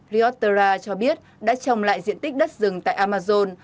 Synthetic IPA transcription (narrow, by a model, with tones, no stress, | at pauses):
ɾi˧ɔ˦˥t̚t̪ə˧zaː˧t͡ɕɔ˧ɓi˦˥ət̚ɗa̰ː˧˥t͡ɕə˨˩wŋ͡mla̰ː˧˨jzḭ˧˨ənt̪i˦˥k̟̚ɗə˦˥t̚zɨ˨˩ŋt̪a̰ː˧˨jʔaː˧maː˧zo˧n